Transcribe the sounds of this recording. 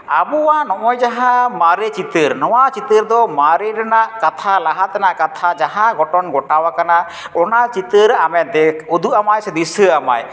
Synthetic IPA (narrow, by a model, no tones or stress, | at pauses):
abuwanɔʔɔjd͡ʒaɦãmaɾet͡ʃit̪əɾnɔwat͡ʃit̪əɾd̪ɔmaɾeɾɛnaʔkat̪ʰalaɦat̪ɛnaʔkat̪ʰad͡ʒaɦãɡɔʈɔnɡɔʈawakana | ɔnat͡ʃit̪əɾamɛd̪ɛud̪uʔamajsɛd̪isəama̰j